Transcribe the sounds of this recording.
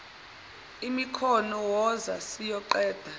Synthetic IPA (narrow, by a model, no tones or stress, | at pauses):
imikʰɔnɔwɔza̰sijɔǃɛːd̥ʱa